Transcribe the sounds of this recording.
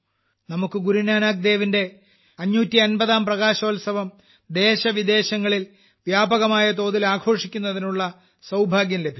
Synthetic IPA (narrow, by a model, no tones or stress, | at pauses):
nɐmukːɨɡuɾunaːnaːk̚d̪e̞ːʋinde̞ | ɐɲːuːtːiɐnbɐðaːmprɐɣaːɕɐoːlsɐʋɐm | d̪e̞ːɕɐʋid̪e̞ːɕɐŋːɐɭil | ʋjaːbɐɣɐmaːjɐt̪o̞ːðilaːɡʰʱo̞ːʂikʲːunːɐðinuɭːɐ | sɐwbʱaːɡjɐmle̞bʱi